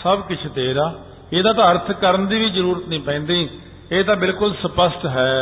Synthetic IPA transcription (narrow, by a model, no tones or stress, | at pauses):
səbkɪt͡ʃʰt̪eːɾaː | eːd̪ãːt̪ãːəɾt̪ʰkəɾənd̪iːʋiːzəɾuːɾət̪nĩːpɛ̃ːnd̪iː | eːt̪ãːbɪlkʊlsəpəsʈɦɛː